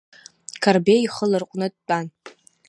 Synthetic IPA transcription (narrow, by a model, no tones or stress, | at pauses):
kʰarbeiχəlɨrqʷʼnɨdt͡pʼan